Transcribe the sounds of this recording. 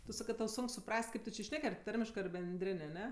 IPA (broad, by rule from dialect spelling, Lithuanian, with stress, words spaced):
tʊ ˈsɑːkɜ tɐʊ ˈsʊŋk sʊˈprɐsʲtʲ ˈkɐɪp tʊ t͡ʃʲɪ ˈʃʲnʲɛk ɐr ˈtɐrʲmʲɪʃkɜ ɐr bʲɛnʲˈdʲrʲɪnʲ ɐˈnʲɛ